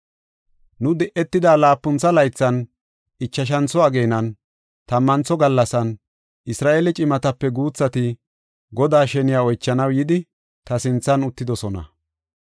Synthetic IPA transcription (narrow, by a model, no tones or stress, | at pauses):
nʊd̪ɛʔɛt̪ːɪd̪aːlaːpːʊnt͡sɐlɐjt͡sːɐn | ɪt͡ʃːɐʃ̬ɐnt͡sɔɐɡeːnɐn | t̪ɐmːɐnt͡sɔɡɐlːɐsɐn | ʔɪsɾaːʔeːlɛt͡ʃʼɪmɐt̪ɐpːɛɡuːt͡sːɐt̪ɪ | ɡɔd̪aːʃɛnɪjaːɔjt͡ʃːɐnɐwjɪd̪ɪ | t̪ɐsɪnt͡sːɐnʊt̪ːɪd̪ɔsɔnɐ̰